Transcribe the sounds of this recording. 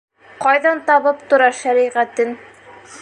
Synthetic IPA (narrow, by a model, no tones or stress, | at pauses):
qɑjðɑnt̪ɑβɤpt̪ŏɾɑʃæɾiʁæt̪ɘn